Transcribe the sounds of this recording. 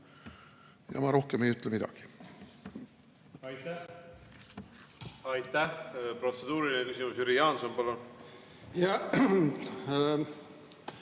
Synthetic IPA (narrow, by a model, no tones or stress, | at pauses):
jɑ̰mɑɾo̞hkeme̞jyt̪ːˑlemid̪̥ɑ̰ɡ̥i̥ | ɑjt̪æ | ɑjt̪ːæhpro̞t̪se̞d̪̥uːɾilinekysʲimusyɾijɑːnsompɑlun | jɑ